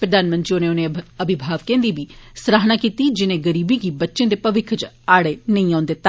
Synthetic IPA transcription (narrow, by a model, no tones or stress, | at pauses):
pɾəd̪aːnmənt̪ɾioːnẽoːnẽəbʱɪbʱaːʋkẽːnd̪iːbiːsɾaːɦnaːkiːt̪iːd͡ʒɪnẽːɡəɾiːbiɡiːbətːʃẽːd̪eːpəʋɪkʰt͡ʃ | aːɽeːnəĩːãːnd̪eːt̪a